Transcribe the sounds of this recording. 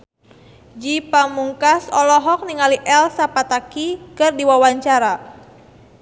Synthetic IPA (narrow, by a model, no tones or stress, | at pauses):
d͡ʒipamuŋkasɔlɔɦɔk̚niŋaliʔɛlsapat̪akikɨrdiwawaɲt͡ʃaɾa